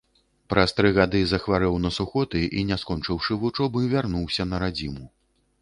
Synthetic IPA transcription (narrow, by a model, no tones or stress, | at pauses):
pɾʔɐst̪ɾɨɣad̪ɨzɐxvaɾɛwnɐsuxɔt̪ɨʔinʲaskɔnt͡ʂɨwʂɨvut͡ʂɔbɨvʲarnuwsʲɐnɐɾad͡zʲimu